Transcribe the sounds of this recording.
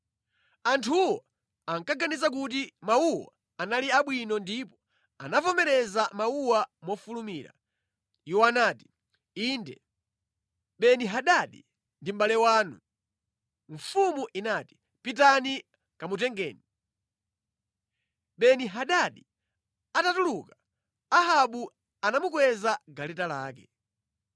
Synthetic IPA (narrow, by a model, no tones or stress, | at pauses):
antʰuwa | aŋkaɡanizak̬utimauwa̰ | analiaɓwinɔndipɔ̥ | a̰napɔmɛɾɛzamauwamɔfulumiɾa̰ | iwɔanaːti̥ | iːndɛ | ɓɛniɦaɗaɗḭ | ndim̩ɓalɛwaːnu | ɱfumuʔinati̥ | pit̬ani | kamutɛŋɡɛːni | ɓɛniɦaɗaɗi | atatuluka | aɦaɓu | anamukwɛzaɡalɛtalaːkɛ